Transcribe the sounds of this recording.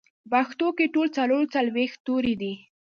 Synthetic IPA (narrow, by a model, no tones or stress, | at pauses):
baxt̪okeʈolt͡saloɾt͡salwext̪ːoɾid̪i